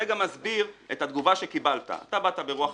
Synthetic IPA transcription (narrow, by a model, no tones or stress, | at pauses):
eɡamazbiʁe̞thad̪ɡuvaʃe̞kibalta̰ːt̪abatabeʁuaχ